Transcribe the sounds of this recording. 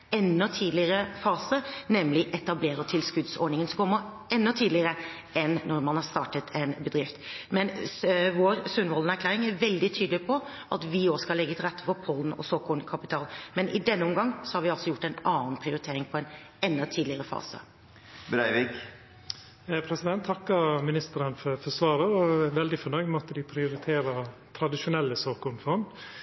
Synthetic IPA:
ɛnːɔt̪ʰiːd̪lɪəɾəfɑːsənɛmlɪʔɛt̪ɑbleːɾət̪ʰɪlskʉd̪sɔɳɪŋənsɔkʰɔmːə | ɛnːɔt̪ʰiːd̪lɪəɾə | ɛnːɔɾmɑnhɑɾst̪ɑːʈət̪ʰɛnbəd̪ɾɪft̪mɛnʋoːɾsʉnʋɔlnəæɾklæːɾɪŋæɾʋɛld̪ɪt̪ʰyːd̪lɪpʰɔ | ʔɑt̪ʋɪoːskɑlɛɡːət̪ʰɪɾɛt̪ʰːə̥fɔɾpʰɔln̩ɔ̰sɔkʰɔlnkʰɑpɪt̪ʰɑːlmɛnʔɪ̰d̪ɛnːəʊmɡɑŋːsɔhɑɾʋɪɑlsɔjʊʈːɛɪnɑːn̩pʰɾɪʊɾɪt̪ʰeːɾɪŋpʰɔɛn | ɛnːət̪ʰiːd̪lɪəɾəfɑ̰ːsə̰ | bɾæɪʋɪk | pʰɾɛsɪd̪ɛnt̪ʰːɑkːəɾmɪnɪst̪əɾənfɔɾfɔsʋɑːɾəɔʋɛld̪ɪfɔnɔɡmɔt̪ːəd̪ɪpʰɾɪʊɾɪt̪ʰeːɾɑt̪ʰɾɑd̪ɪʃʊnɛlːəsoːkʊnfɔnd̪

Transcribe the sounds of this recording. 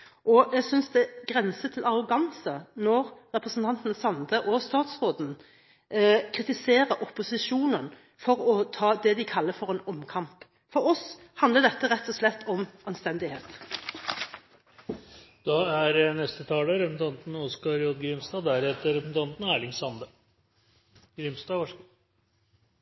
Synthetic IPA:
ʔɔɛɡsʏnsd̪ɛɡʁɛnsət̪ʰɪlʔɑʁʊɡɑnsənɔɾɾɛpɾəsn̩t̪ʰɑnt̪n̩sɑnd̪əʔɔst̪ɑːt̪sʁoːd̪n̩ | kʰʁɪt̪ɪseːʁəʔɔpʊsɪʃuːnən | fɔɾɔt̪ʰɑːd̪ɛd̪ɪkʰɑlːəfɔʁɛnɔmkʰɑmp | fɔɾɔs | hɑnd̪ləd̪ɛt̪ːəʁɛt̪ːɔslɛt̪ːɔmɑnst̪ɛnd̪ɪheːt̪ | d̪̥ɑæɾnɛst̪ət̪ʰɑːləɾɛpsn̩t̪ʰɑnt̪n̩ɔskɑɾjɔd̪ɡɾɪmst̪ɑːd̪æɾhɛt̪əɾɛpsn̩t̪ʰɑnt̪næːɭɪŋsɑnd̪ə | ɡɾɪmst̪ɑːʋɑʂk

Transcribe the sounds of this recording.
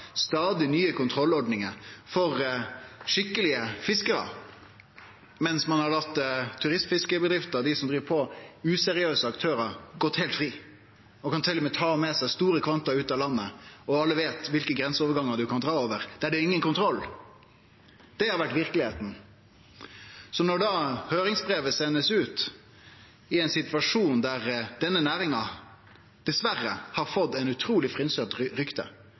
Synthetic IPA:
st̪ɑːd̪ɪnyːəkʰʊnt̪ʰɾɔlːɔɾɖ̪nɪŋəɾfɔɾ | ʂɪkːəlɪəfɪskəɾə̰ | mɛnsmɑnhɑlɑt̪ːt̪ʰːʉʁɪsmfɪskəbəd̪ɾɪft̪əd̪ɪsɔmd̪ʁiːʋpʰɔʉsɛɾɪøːsəɑkt̪ʰøːɾəɾɡɔt̪ːheːlt̪fʁiː | ɔkɑnt̪ʰɪlːmɛt̪ʰɑːmɛsæɪst̪uːɾəkʰʋɑnt̪ɑʉːt̪ɑlɑnːəɔɑlːəʋeːt̪ʋɪlkəɡɾɛnsoːʋəɾɡɑŋːəɾd̪ʉkʰɑnd̪ɾɑːoːʋəʁd̪̥ɛæɖɛɪŋːənkʊnt̪ʰɾɔlː | d̪̥ɛhɑɾʋæʈʋɪɾkəlɪheːt̪n̩ | sɔnɔɾɖ̪ɑːhøːɾɪŋsbʁeːʋəsɛnːəsʉːt̪ | ɪɛɪnsɪt̪ʋɑʂuːnd̪æʁd̪ɛnːənæːɾɪŋɑ | d̪̥ɛsʋærːə̰hɑɾfɔd̪ːɛɪnʉt̪ʰɾuːlɪfʁɪnsøt̪ɾʏkt̪ə̰

